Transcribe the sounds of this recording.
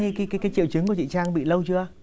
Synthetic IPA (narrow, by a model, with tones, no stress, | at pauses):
kaː˨˦kaː˨˦kːaː˨˦jt͡ɕḭ˧˨əwt͡ɕɨ˨˦ŋku˧˩ə˩t͡ɕḭ˧˨t͡ɕaː˧ŋɓḭ˧˨lə˧wt͡ɕɨ˧ə